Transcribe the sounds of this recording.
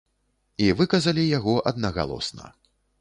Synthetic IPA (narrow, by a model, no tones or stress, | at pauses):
ivɨkɐzɐlʲijaɣɔʔɐd̪nɐɣa̰lˠɔ̰snɐ̰